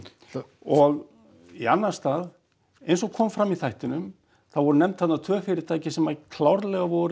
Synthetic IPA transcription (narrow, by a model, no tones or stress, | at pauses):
ɔɣ | ianːḁst̪aːð | ejnsɔɣkʰɔːmfɾamːiθajht̪ɪnʏm | θaðvɔɾʏnɛmt̪θat̪nat̪ʰvœːfɪɾɪɾ̥t̪ʰaːjcɪsɛmakʰlawɾlɛɣavɔɾ